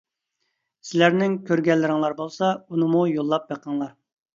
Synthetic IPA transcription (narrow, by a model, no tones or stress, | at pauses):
sɪlæɾnɪŋkʲʰøɾɡʲɛlːɪɾɪŋlˠɑɾbolˠsɑunɨmujolˠːɑp̚beqʰəŋlˠɑɾ